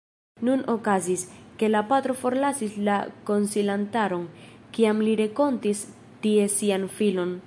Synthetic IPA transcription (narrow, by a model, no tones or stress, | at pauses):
nuno̞kaziske̞lapatɾo̞fo̞ɾlasislako̞nsilantaɾo̞n | kiamliɾe̞ko̞ntis | tie̞sianfilo̞n